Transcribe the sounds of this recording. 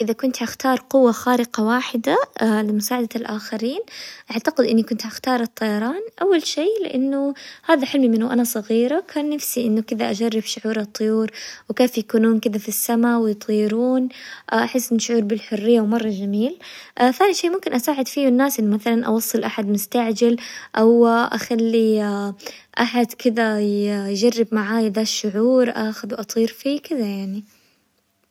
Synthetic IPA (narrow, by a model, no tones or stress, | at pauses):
ʔɪðakʊnt̪ʕaxt̪ɑːɾˤqʊwːaxaːɾɪqɑwaːħɪd̪alɪmʊsaːʕad̪alʔaːxɪɾiːnʔaʕt̪aqɪd̪ʔɪnːikʊnt̪ʕaxt̪ɑːɾˤɨt̪ˤːɑjɑɾˤɑːnʔawːalʃeːlɪ̰ʔanːʊhaːðaħɪlmimɪnʊʔanasˤɑɣiːɾakʰaːnːafsiʔɪnːʊkɪðaʔad͡ʒarːɪbʃʊʕuːɾɑt̪ˤːʊjuːɾwkeːfjakuːnuːnkɪðafisːamawɪjt̪ˤiːɾuːnʔaʔaħɪsːʔɪnːʊʃʊʕuːɾˤbɪlħʊrːɪjːawmɑrˤːɑd͡ʒamiːlʔθaːniʃeːmʊmkɪnʔasaːʕɪd̪fiːwɪnːaːsʔɪnːʊmaθalanʔɑ̰wɑsˤːɨlʔaħad̪mʊst̪aʕd͡ʒalʔawʔaxalːi | ʔaħad̪kɪd̪ajjd͡ʒarːɪb̚maʕaːjðaːʃːʊʕuːɾʔaːxʊd̪wʔɑt̪ˤiːɾfikɪðajaʕni